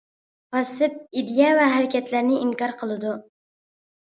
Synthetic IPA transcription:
pɑsɨp̚id̪jɛvɛɦæɾɪkʲɛt̪ʰlæɾnɪʔiŋkɑɾqʰəlˠɨd̪u

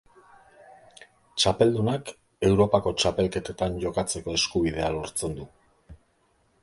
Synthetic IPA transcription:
t͡ʃape̞ld̪unak | e̞wɾo̞pako̞t͡ʃape̞lke̞t̪et̪aɲɟo̞kat͡se̞ko̞e̞skuβið̞e̞alo̞ɾt͡se̞nd̪u

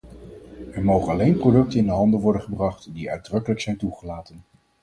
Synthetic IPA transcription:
ɛɹmowχənɑlejnprodɵk̚tənɪndəɦɑndəʋɔɹdənχəbrɑχtdiœ̰ɥdrɵkələksɛjntuχəlaːtən

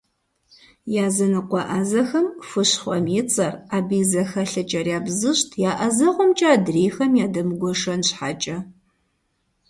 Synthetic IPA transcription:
jaːzɐnɨqʷɑʔazɐxɐmfɨɕχʷɔmjɪt͡sʼɐraːbiːzɐxɐɬɨt͡ʃʼɐrjaːbzɨɕtʰjaːʔɐzɐʁʷɔmt͡ʃʼaːdreːxɐmjaːdɐmɨɡʷɔʂɐnɕħaːt͡ʃʼɐ

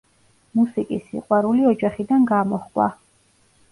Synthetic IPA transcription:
musikʼisːḭqʼwaɾuliɔd͡ʒaχid̪anɡaːmɔχkʼwa̰

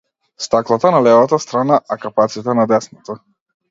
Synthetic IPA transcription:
st̪aklˠat̪analɛvat̪ast̪ɾanaʔakapat̪sit̪anad̪ɛsnat̪a

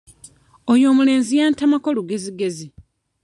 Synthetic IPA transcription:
ojo̞ːmule̞ːnzijaːntamakoluɡe̞ziɡe̞zi

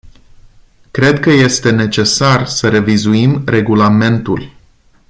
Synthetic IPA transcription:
kɾe̞d̪kəje̞st̪e̞ne̞t͡ʃe̞sarsəɾe̞vizuimre̞ɡulame̞nt̪ul

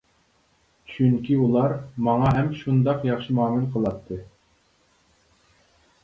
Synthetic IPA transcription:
t͡ʃʰyŋkʲʰiulˠɑɾmɑŋɑɦɛmʃund̪ɑqjɑχʃɨmɑːmɪnqʰəlˠɑt̪ʰːɨ

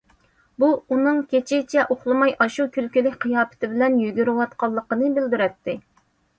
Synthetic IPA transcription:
buunɨŋkʲet͡ʃʰɪt͡ʃʰɛʔoχlˠɨmɑjʔɑʃukʲʰylkʲylɪkʲqʰijɑːpʰɪ̥t̪ɪbɪlɛnjyɡʲyɾɪwɑt̪qʰɑlˠːəqənɨbɪld̪yɾɛt̪ːɪ

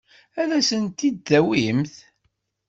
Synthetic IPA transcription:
ælæsənt̪ːid̪ːæwimθ

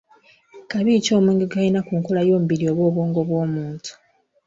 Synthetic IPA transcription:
kaβico̞ːmuːŋɡeɡainakuːŋkolajo̞ːmubiɾio̞ːβwo̞βwoːŋɡo̞βwo̞ːmuːntʰu̥

